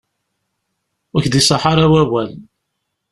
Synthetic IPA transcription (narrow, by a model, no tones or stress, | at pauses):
wæçd̪isˤɑħɑɾˤawæwæl